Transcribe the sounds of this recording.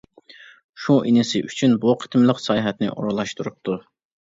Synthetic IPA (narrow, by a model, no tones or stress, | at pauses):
ʃuʔinɪsɨʔyt͡ʃʰynbuqʰə̥t̪ʰmlˠəqsɑjɦɛt̪nɪ̰ʔoɾlˠɑʃt̪uɾup̚t̪ʰu